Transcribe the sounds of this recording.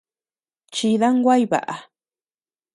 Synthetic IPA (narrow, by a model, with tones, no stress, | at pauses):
t͡ʃi˧ða˦ŋɡʷa˦jβa̰˨ʔa˨